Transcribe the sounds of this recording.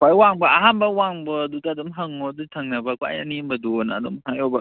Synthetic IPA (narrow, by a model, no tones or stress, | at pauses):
kʰʷajwaŋbɐaɦambɐwaŋbɔdutɐːdɔmɦɐŋɔdutʰɐŋnɐbɐkwa̰jɐnimbɐdunɐːdɔmhajɔbɐ